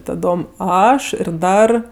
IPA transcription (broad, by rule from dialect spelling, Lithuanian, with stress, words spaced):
tɐˈdoːm ˈɐʃ ɪr ˈdɐr